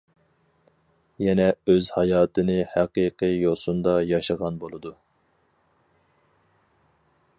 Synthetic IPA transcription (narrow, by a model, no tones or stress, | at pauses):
jɛnɛøzhɑjɑːt̪ʰɨnɨhæqiqɨjosund̪ɑjɑʃɑʁɑnbolˠɨd̪u